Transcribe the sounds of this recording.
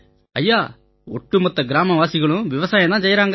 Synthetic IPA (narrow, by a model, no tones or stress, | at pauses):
ɐjːaː | ɔʈːumɔt̪ːɐɡɾaːmɐʋaːsɪɣɐɭũʋɪʋɐsaːjɐd̪ãːt͡ʃɐjɾaːŋɡ